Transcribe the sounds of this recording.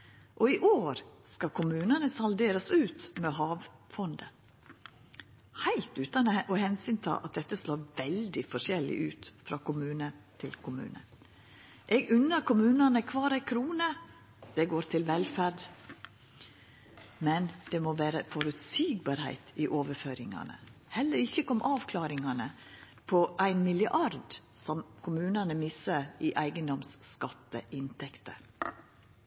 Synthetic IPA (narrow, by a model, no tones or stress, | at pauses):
ʔɔɪʔoːɾskɑkʰʊmʉːnɑnəsɑld̪eːɾəsʉːt̪mɛɦɑːʋfɔnd̪ə | hæɪlt̪ʉːt̪ɑnəʔɔhɛnsʏnt̪ʰɑ̰ːʔɑ̰t̪̚d̪ɛt̪ːəsloːɾʋɛld̪ɪfɔʂɛlːɪ̰ʔʉːt̪fɾɑːkʊmʉːnət̪ʰɪlkʰʊmʉ̰ːnə̰ | ʔɛɡʉnːəɾkʊmʉːnɑnəkʰʋɑːɾæɪkʰɾuːnə | d̪̥ɛɡoːɾt̪ʰɪlʋɛlfæɖ | mɛnd̪̥ɛmoːʋæːɾəfɔɾʉt̪siːɡ̚bɑːɾhæ̰ɪt̪iːʔoːʋəɾføːɾɪŋɑ̰nə̰ | hɛlːəɾɪçːəkɔmʔɑːʋkʰlɑːɾɪŋɑnə | pʰɔʔæɪnmɪlɪəʔɑɾd̪sɔmkʰʊmʉːnɑnəmɪsəɾiʔæɪɡənd̪ɔmskɑt̪ːəʔɪnt̪ʰɛkt̪ə